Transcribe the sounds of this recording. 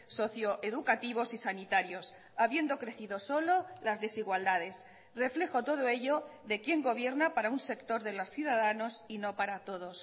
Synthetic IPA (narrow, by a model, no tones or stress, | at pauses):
so̞θjo̞ʔe̞ðukat̪iβ̞o̞sisanit̪aɾjo̞s | aβje̞nd̪o̞kɾe̞θiðo̞so̞lo̞lazðe̞siɣwald̪að̞e̞s | re̞fle̞xo̞t̪o̞ð̞oe̞ʎo̞ðe̞kje̞ŋɡo̞βje̞ɾnapaɾaunse̞kt̪o̞ɾðe̞losθjuðaðano̞sino̞paɾat̪o̞ðo̞s